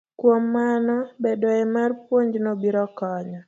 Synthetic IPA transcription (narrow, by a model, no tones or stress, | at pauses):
kwomːanɔbedɔɛmarpwoɲd͡ʒnɔbiɾɔkɔɲɔ